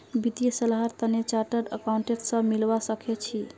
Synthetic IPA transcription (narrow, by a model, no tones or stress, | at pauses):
bit̪ijəsəlɦaɾt̪ənet͡ʃaɾʈəɾəkauɳʈet̪sə̃milbasəkʰet͡ʃʰi